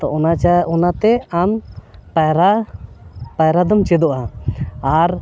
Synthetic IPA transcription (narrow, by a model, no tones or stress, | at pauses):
t̪ɔʔɔnaɔnat̪ɛampaɾa | pajɾad̪ɔmt͡ʃɛd̪ɔʔaaɾ